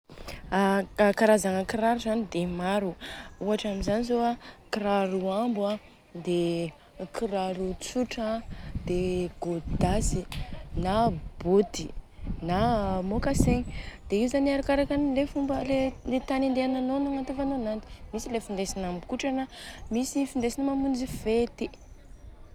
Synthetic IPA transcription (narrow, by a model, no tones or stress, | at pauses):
akaɾazaŋəkiɾaɾuzanid̪emaɾuuaʈ͡ʂamizanizoakiɾaɾuambua | d̪e | kʰiɾaɾut͡suʈ͡ʂad̪̥eɡod̪asinab̥od̪inamokaseɲd̪̥eiuzaniaɾukaɾakanlefumbəleit̪anind̪eananonaŋant̪ufanonant̪i̥misilefind̪esinambukuʈ͡ʂanamisifind̪esinimamund͡zivet̪i